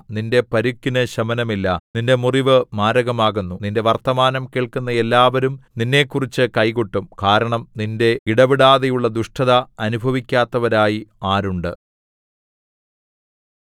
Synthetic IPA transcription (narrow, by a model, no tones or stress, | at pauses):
ninde̞pɐɾukːinɨɕɐmɐnɐmilːɐninde̞muriʋɨmaːɾɐɣɐmaːɣunːuninde̞ʋɐrt̪ɐmaːnɐmkeːɭkunːɐe̞lːaːʋɐɾumninːe̞ːkːurit͡ɕːɨkɐjkoʈːumkaːɾɐɳɐmninde̞iɽɐʋiɽaːðɐjuɭːɐd̪uʂʈʰɐðɐɐnubʱɐʋikʲːaːt̪ːɐʋɐɾaːjiaːɾuɳɖɨ